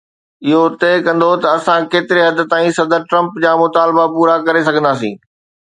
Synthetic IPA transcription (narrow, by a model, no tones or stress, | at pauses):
ɪɦot̪eːkɐ̃nd̪ot̪ɐɐsãkeːt̪ɪɾeɦɐd̪ʱɪ̆t̪aːĩsɐd̪əɾʈɾɐ̃mpd͡ʑaːmʊt̪aːlbapuːɾakɐɾesɐɡʱə̃nd̪aːsḭ̃ː